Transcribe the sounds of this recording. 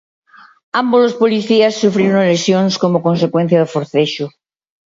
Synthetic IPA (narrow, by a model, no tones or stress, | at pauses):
ambolospoliθiasːufɾiɾonlesjoŋskomokonsekwen̟θjaðofoɾθeʃo